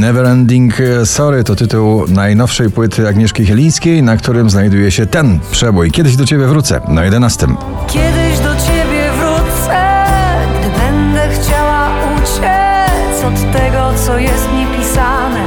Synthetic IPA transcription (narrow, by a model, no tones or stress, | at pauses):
nɛvɛɾɛnd̪iŋksɔɾɘt̪ɔt̪ɘt̪uwnajnɔfʂɛjpwɘt̪ʰɘaɡɲɛʂkʲixɛlʲij̃skʲejnakt̪uɾɘmznajd̪ujɛɕɛt̪ɛnpʂɛbujkʲɛd̪ɘʑd̪ɔt͡ɕebʲjɛvɾut̪sɛ̰najɛd̪ɛnast̪ɘm | kʲjɛd̪ɪʑd̪ɔt͡ɕebʲjɛvɾut̪sɛ | bɛnd̪ɛxt͡ɕawa | ut͡ɕ | ɛ | t͡ɕɔt̪ːɛɡɔt̪sɔjɛst̪ɲepʲisa | nɛ